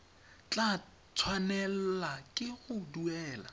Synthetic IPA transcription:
t͡ɬʼa | t͡sʰwanɛl̩lakʼɪɣʊduɛːla̰

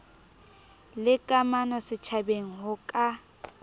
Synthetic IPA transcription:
lɪkʼamanɔsɪt͡ʃʰabeŋ̩ɦʊkʼa

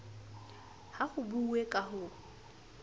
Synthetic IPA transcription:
haχʊbuwekʼahʊ

